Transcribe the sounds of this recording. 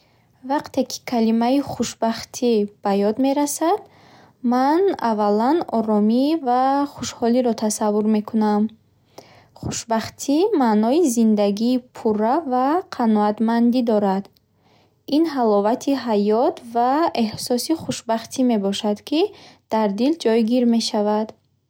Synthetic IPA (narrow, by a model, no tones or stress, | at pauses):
vaqt̪ʰe̞kʰi̥kʰalimaiχuʃbaχt̪ʰib̥ajɔd̪me̞ɾasad̪̥ | mana̰valanɔɾɔmivaχuʃhɔliɾɔt̪ʰasavːuɾme̞kʰunam | χu̥ʃbaχt̪ʰimanɔizind̪aɡiːpʰuravaqʰanɔat̪mand̪id̪ɔɾad̪ | inɦalɔvat̪ʰiɦajɔt̪ʰvae̞hsɔsiχuʃbaχt̪ʰime̞bɔʃad̪̥kʰid̪̥aɾd̪ild͡ʒɔjɡiɾme̞ʃavad̪